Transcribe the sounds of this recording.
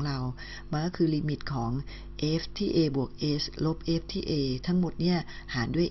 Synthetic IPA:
ŋɾa˧w | maː˧kɔ˥˩kʰɯː˧li˧mi˨˩t̪̚kʰɔː˩˦ŋ | ʔeː˦˥ft̪ʰiː˥˩ʔeː˧bu˨˩ək̚ʔeː˦˥slo˦˥p̚ʔeː˦˥p̚t̪ʰiː˥˩ʔeː˧t̪ʰa˦˥ŋmo˨˩t̪̚ni˥˩ɐ | haː˩˦ndu˥˩əj

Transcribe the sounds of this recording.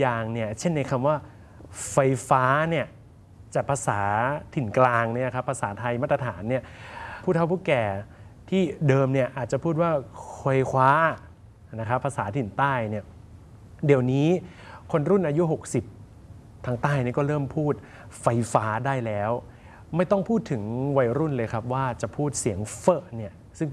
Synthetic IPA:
jaː˨˩ŋni˥˩ɐt͡ɕʰe˥˩nːa˧jkʰa˧mwaː˥˩ | fa˧jfaː˦˥ni˥˩ɐ | t͡ɕaː˨˩k̚pʰa˧saː˩˦t̪ʰi˨˩nklaː˧ŋni˥˩˨kʰa˦˥pʰːa˧saː˩˦t̪ʰa˧jmaː˥˩t̪ɾa˧t̪ʰaː˩˦nːi˥˩ɐpʰu˥˩t̪̚ʰːa˥˩pʰuː˥˩kɛː˨˩t̪ʰiː˥˩dɤː˧mni˥˩ɐʔaː˨˩t̪̚t͡ɕa˨˩pʰuː˥˩t̪̚waː˥˩kʰo˧jkʰwaː˦˥ | na˦˥kʰɾa˦˥pʰːaː˧saː˩˦t̪ʰi˨˩nt̪aː˥˩jni˥˩ɐ | di˩əwniː˦˥kʰo˧nɾu˥˩nʔaː˧ju˦˥ɦo˨˩k̚si˨˩p̚ | t̪ʰːaː˧˥ŋt̪aː˥˩jni˥˩kɔː˥˩ɾɤː˥˩mpʰuː˥˩t̪̚ | fa˧jfaː˦˥daː˥˩jlɛː˦˥w | ma˥˩jt̪ɔ˥˩ŋpʰuː˥˩t̪ʰːɯ˩˦ŋwa˧jɾu˥˩nlɤː˧jkʰa˦˥p̚waː˥˩t͡ɕa˨˩pʰuː˥˩t̪̚si˩˦əŋfɤː˧˩ʔni˥˩ɐ | sɯ˥˩ŋ

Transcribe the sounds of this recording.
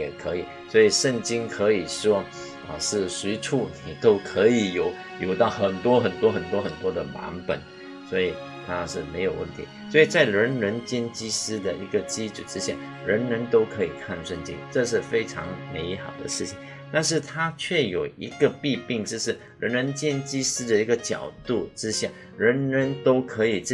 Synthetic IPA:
jɛ˨˩kʰɤ˧˥i˨˩ | swɔ˧˥i˨˩ʂə˥˩ŋt͡ɕi˥ŋkʰɤ˧˥i˨˩ʂwɔ˥ | ə̰˧ʂɻ̩˥˩swe˧˥ɪʈ͡ʂʰu˥˩ni˨˩t̪o˥ʊkʰɤ˧˥i˨˩jo˨˩˦ʊ | jo˧˥˩ʊt̪ɑ˥˩ʊxə˨˩nt̪wɔ˥xə˨˩nt̪wɔ˥xə˨˩nt̪wɔ˥xə˨˩nt̪wɔ˥d̪ə˨wa̰˧˥npə̰˨˩˦n | swɔ˧˥i˨˩ | t̪ʰa˥ʂɻ̩˥˩me˧˥ɪjo˨˩ʊwə̰˥˩nt̪ʰi˧˥swɔ˧˥i˨˩t͡sa˥˩ɪɻə˧˥nɻə˧˥nt͡ɕɛ˥nt͡ɕi˥sɹ̩˥d̪ə˨i˧˥ɡə˨t͡ɕi˥ʈ͡ʂu˨˩ʈ͡ʂɻ̩˥ɕja˥˩ | ɻə˧˥nɻə˧˥nt̪o˥ʊkʰɤ˧˥i˨˩kʰa˥˧nʂə˥˧nt͡ɕḭ˥ŋʈ͡ʂɤ˥˧ʂ̬ɻ̩˥˩fe˥ɪʈ͡ʂʰɑ̰˧˥ŋme˧˥ɪxɑ˨˩ʊd̪ə̰˦ʂɻ̩˥˩t͡ɕʰi˨˩ŋ | t̪a˥˧nʂ̬ɻ̩˥˩t̪ʰa˥t͡ɕʰɥɛ˥˩jo˨˩ʊi˧˥ɡ̥ə˧pi˥˧pi˥˧ŋʈ͡ʂ̩˥˧ʂɻ̩˥˩ | ɻə˧˥nɻə˧˥nt͡ɕjɛ˥nt͡ɕi˥sɹ̩˥d̪ə˨i˧˥ɡə˨t͡ɕjɑ̰˨˩ʊt̪u˥˩ʈ͡ʂɻ̩˥ɕja˥˩ | ɻə˧˥nɻə˧˥nt̪o˥ʊkʰɤ˧˥i˨˩ʈ͡ʂ

